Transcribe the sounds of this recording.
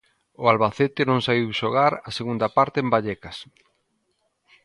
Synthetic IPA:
ʊalβaθet̪ɪnõŋsaβiwʃoɣaɾɐseɣund̪ɐpaɾt̪eembaʎɛkɐs

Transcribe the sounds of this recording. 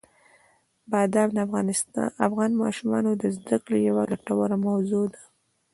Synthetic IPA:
bad̪abd̪əfɣnsafɣɑnmɑ̰ʃumɑ̰nod̪əzd̪akɽejawaɡaʈawaɾamawzod̪ḁ

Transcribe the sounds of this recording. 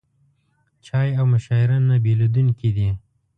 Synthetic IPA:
t͡ʃɑjawmʊʃɑɪɾanːabelud̪uŋkid̪i

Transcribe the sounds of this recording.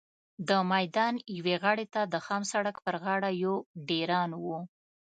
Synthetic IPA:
d̪əmajd̪ɑnjaweɣəɽet̪ad̪əxamsaɽakpəɾɣɑɽajoɖeɾɑnwu

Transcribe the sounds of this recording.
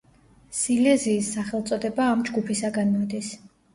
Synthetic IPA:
silɛziːsːaχɛlˠt̪sʼɔd̪ɛbaːmd͡ʒɡupʰisaɡanmɔd̪is

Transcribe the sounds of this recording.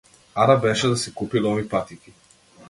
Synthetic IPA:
aɾabɛʃɛd̪asɛkupilɔvipat̪iki

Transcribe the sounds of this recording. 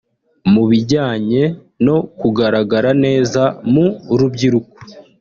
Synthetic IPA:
muβiɟaːɲe̞ | no̞kuɡaɾaɡaɾane̞ːzamuɾubɟiɾuko̥

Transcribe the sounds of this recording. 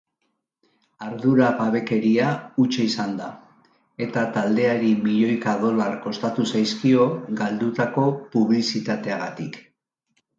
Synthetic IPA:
aɾðuɾaβaβe̞ke̞ɾiaut͡ʃeisand̪a | e̞t̪at̪ald̪e̞aɾimiʎo̞jkaðo̞laɾko̞st̪at̪usajskio̞ɡald̪ut̪ako̞puβ̞lisit̪at̪e̞aɣat̪ik

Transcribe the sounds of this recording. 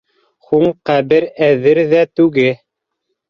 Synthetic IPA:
huɴqæβɘɾæðɘɾðæt̪ʉɡɘ

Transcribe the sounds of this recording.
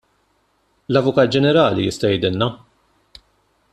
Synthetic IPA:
lɐvʊkɐːt̪̚d͡ʒɛnɛɾɐːlijɪst̪ɐjɛjd̪ɪlnɐ

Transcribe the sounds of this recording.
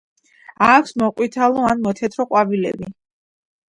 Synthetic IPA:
akʰsmɔqʼwit̪ʰalˠɔanmɔt̪ʰɛt̪ʰɾɔqʼwabilɛ̰bi

